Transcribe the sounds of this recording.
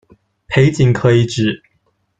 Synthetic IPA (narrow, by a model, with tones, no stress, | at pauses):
pʰe˧˥ɪt͡ɕi˨˩ŋkʰɤ˧˥i˨˩ʈ͡ʂɻ̩˨˩